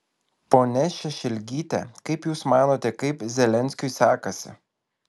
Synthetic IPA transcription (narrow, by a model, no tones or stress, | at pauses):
poːnʲɛʃʲɛʃʲɛlʲɡʲiːt̪ʲɛ̰kɐɪpjuːsmɑːnoːt̪ʲɛkɐɪpzʲɛlʲɛnʲsʲkʲʊɪsɑːkɐsʲɪ̰